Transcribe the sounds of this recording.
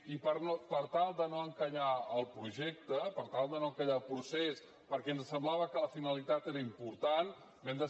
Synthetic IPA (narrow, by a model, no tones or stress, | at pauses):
ipəɾnopəɾt̪alˠd̪ənoəŋkəʎaəlˠpɾuʒɛk̚t̪əpəɾt̪alˠd̪ənoŋkəʎaəlˠpɾuses | pəɾkɛnzəsəmblaβəkələfinəlit̪at̪eɾəimpuɾt̪an | bɛmd̪ə